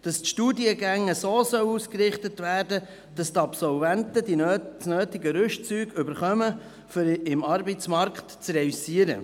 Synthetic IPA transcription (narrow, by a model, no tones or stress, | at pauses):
d̥ɑstʃtuːdiəɡæŋːəsoːsœwuːskɾɪχtətvæːɾdə | d̥ɑstɑpsɔlvæntədisnøːtɪɡəɾʉʃt͡syːɡʏbəɾχœmə | fɾɪmɑɾbət͡smɑɾkχtt͡srɛysiəɾə̰